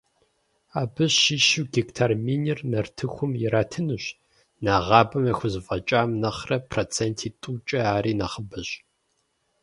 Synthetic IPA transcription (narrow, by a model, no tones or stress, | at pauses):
aːbɨɕːiʃɪwɡiktʰaːrmiːnirnɐrtʰɨxʷʊmjɪɾaːtʰɨnɨɕ | naːʁɑːbɐmɐxʷʊzfʼɐt͡ʃʼaːmnɐχrɐpʰroːt͡sʰeːntʰiːtʼuːt͡ʃʼɐaːɾiːnɐχəbɨɕ